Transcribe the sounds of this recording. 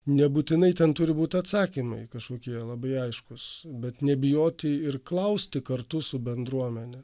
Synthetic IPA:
nʲɛbuːt̪ʲɪnɐɪt̪ʲɛnt̪ʊɾʲɪbuːt̪ʲɐt̪sɑːkʲimɐɪkɐʃkoːkʲiɛlˠɐbɐɪɐɪʃkʊsbʲɛt̪nʲɛbʲɪjoːt̪ʲɪɪrklˠɐʊsʲt̪ʲɪkɐrt̪ʊsʊbʲɛnd̪ɾuɔmʲɛnʲɛ

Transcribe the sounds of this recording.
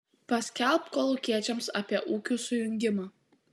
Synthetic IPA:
pɐsʲkʲælˠpkoːlˠʊkʲiɛt͡ʃʲɛmsɑːpʲiɛʔuːkʲuːsʊjʊŋʲɡʲɪmɑː

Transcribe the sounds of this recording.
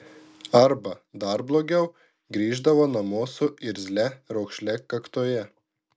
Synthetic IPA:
ɐɾbɐd̪ɐˑɾblˠoːɡʲɛʊ | ɡɾʲiːʒd̪ɐʋoːnɐmoːsʊɪɾʲzʲlʲɛɾɐʊkʃʲlʲɛkɐkt̪oːjɛ

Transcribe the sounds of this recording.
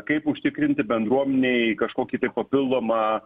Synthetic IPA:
kɐɪpʊʃʲt̪ʲɪkɾʲɪnʲt̪ʲɪbʲɛnd̪ɾuɔmʲɛnʲeɪkɐʃkoːkʲiːt̪ɐɪppɐpʲɪlˠd̪oːmɑ

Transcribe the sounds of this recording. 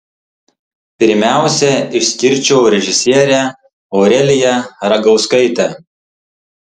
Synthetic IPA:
pʲɪɾʲmʲæˑʊsʲɛɪʃʲsʲkʲɪɾʲt͡ʃʲɛʊɾʲɛʒʲɪsʲiɛɾʲæˑ | ɔʊɾʲɛlʲɪjɛɾɐɡɐʊskɐɪt̪ʲɛ

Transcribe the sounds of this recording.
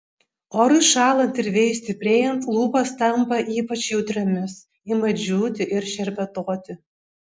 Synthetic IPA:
ɔɾɨʃɑːlˠɐnt̪ɪɾvʲejsʲt̪ʲɪpʲɾʲeːjɛnt̪lˠuːpɐst̪ɐmpɐʔiːpɐt͡ʃjɛwt̪ʲɾʲɛmʲɪs | ɪmɐd͡ʒʲuːt̪ʲɪʔɪɾʃɛɾʲbʲɛt̪oɔt̪ʲɪ

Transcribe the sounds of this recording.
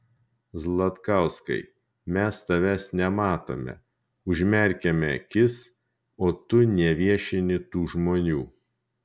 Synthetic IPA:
zlˠɐt̪kɑˑʊskɐ̰ɪ | mʲɛst̪ɐʋʲɛsnʲɛmɑːt̪o̰ːmʲɛ̰ | ʊʒʲmʲɛɾʲkʲɛmʲɛkʲɪs | oːt̪ʊnʲɛʋʲiɛʃʲɪnʲɪt̪uːʒmoːnʲuː

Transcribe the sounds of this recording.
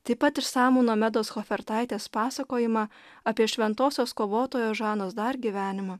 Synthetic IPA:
t̪ɐɪpɐt̪ɪʃsɑːmuːnoːmʲɛd̪oːsxofʲɛɾt̪ɐɪt̪ʲeːspɑːsɐkoːjɪmɑː | ɐpʲiɛʃʲʋʲɛnt̪oːsʲoːskoːʋoːt̪oːjoːʒɑːnoːsd̪ɐɾɡʲiʋʲæːnʲɪmɑː

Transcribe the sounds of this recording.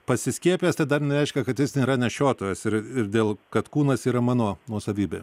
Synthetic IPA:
pɐsʲɪsʲkʲiɛpʲɪjɛːst̪ʲɐɪd̪ɐrnʲɛɾʲɛɪʃʲkʲɛkɐt̪jʲɪsʲiːɾɐnʲɛʃʲoːt̪oʋʲeːsɪɾɪrd̪ʲeːlˠkɐt̪kuːnɐsiːɾɐmɑːnoːnuɔsɐʋʲiːbʲḛː

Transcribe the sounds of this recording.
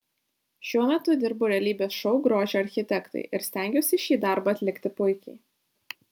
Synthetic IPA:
ʃʲuɔmʲɛt̪ʊd̪ʲɪɾbʊɾʲɛlʲiːbʲeːsʃɔʊɡɾoːʒʲoːɐɾʲxʲɪt̪ʲɛkt̪ɐ̰ɪʔɪɾsʲt̪ʲæˑŋʲɡʲoːsʲɪʃʲiːd̪ɑˑɾbɑɐt̪ʲlʲɪkt̪ʲɪpʊɪkʲɛɪ

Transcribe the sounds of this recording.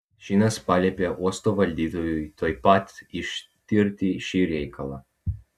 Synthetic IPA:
ʃinaspalʲɛpjaʔɔst̪ɔvalʲd̪it̪ɔjuit̪ʰojpat̪iʃt̪iɾt̪iʃiɾjɛjkʰalˠa

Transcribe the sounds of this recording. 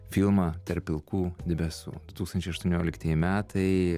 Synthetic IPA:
fʲilˠmɑːt̪ɐɾpʲɪlˠkuːd̪ʲɪbʲɛsṵːd̪ʊt̪uːkst̪ɐnʲt͡ʃʲɛɪɐʃt̪ʊːnʲoːlʲɪkt̪ʲɐjɪmʲæːt̪ʰɐɪ

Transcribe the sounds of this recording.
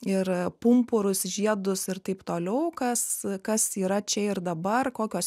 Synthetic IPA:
ɪrpʊmpʊɾʊsʒʲiɛd̪ʊsɪrt̪ɐɪpt̪oːlʲɛʊkɐskɐsiːɾɐt͡ʃʲɛɪrd̪ɐbɐrkoːkʲoːs

